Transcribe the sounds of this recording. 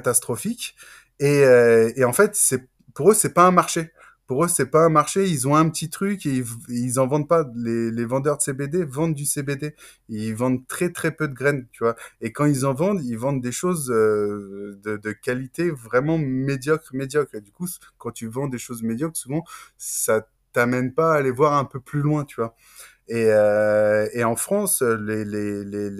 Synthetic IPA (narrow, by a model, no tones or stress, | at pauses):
kt̪ast̪χɔfikʲ | eøeɑ̃fɛt̪sɛ | puʁøsɛpaɛ̃maʁʃe | puʁøsɛpaɛ̃maʁʃeilzɔ̃ɛ̃pət̪it̪χykeivilzɑ̃vɑ̃d̪̚palelevɑ̃d̪œʁd̪əsebed̪evɑ̃d̪d̪ysebed̪e | eivɑ̃d̪t̪χɛt̪χɛpød̪əɡʁɛnt̪yvwaekɑ̃ilzɑ̃vɑ̃d̪ilvɑ̃d̪ːeʃozø | d̪əd̪əkʲalit̪evʁɛmɑ̃med̪jɔkχmed̪jɔkχed̪yku | kɑ̃t̪yvɑ̃d̪eʃozmed̪jɔkχsuvɑ̃sa | t̪amɛnpaːlevwaʁɛ̃pøplylwɛ̃t̪yvwa | eøeɑ̃fχɑ̃sølelele